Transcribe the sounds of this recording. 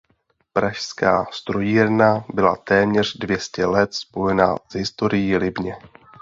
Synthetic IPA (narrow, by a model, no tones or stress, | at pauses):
pɾaʃska̰ːst̪ɾojiːɾnabɪla̰t̪ɛːmɲɛr̥dvjɛscɛlɛt̪spo̞jɛna̰zɦɪst̪o̞ɾɪjɪlɪbɲɛ